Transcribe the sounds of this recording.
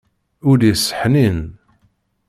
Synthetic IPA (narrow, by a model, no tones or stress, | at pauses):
ʊɾisːə̥ħnin